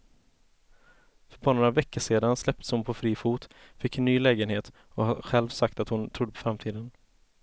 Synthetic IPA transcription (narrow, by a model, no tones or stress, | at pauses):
fœɾbɑːnoɾavɛkːəʂeːd̪anslɛp̚t̪ə̥shʊnpʰɔfɾiːfuːt̪ | fɪkːnːyːlɛːɡənheːt̪ | ɔhaɧɛlvsak̚t̪at̪hʊnt̪ʰɾʊd̪ːəpɔ̥fɾamt̪ʰiːd̪ən